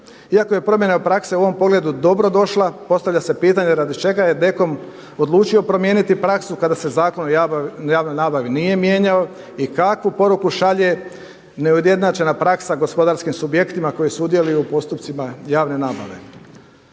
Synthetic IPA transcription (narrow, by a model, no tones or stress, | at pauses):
iako̞je̞pɾo̞mje̞neopɾakseuo̞ʋo̞mpo̞ɡle̞d̪ud̪o̞bɾo̞d̪o̞ʃlapo̞st̪aʋʎase̞piːt̪aɲeɾad̪it͡ʃe̞ɡaje̞d̪e̞ko̞m | o̞d̪lˠuːt͡ʃio̞pɾo̞mje̞ːnit̪ipɾaksukad̪ase̞zaːko̞nojaːʋno̞jnaːbaʋinije̞mje̞ɲao | ikakʋupo̞ɾukuʃaʎe̞ | neud̪je̞d̪nat͡ʃe̞napɾaksaɡo̞spo̞d̪aɾskimsubje̞kt̪imako̞jisud̪je̞lujupo̞st̪upt̪simajaːʋne̞naːbaʋe̞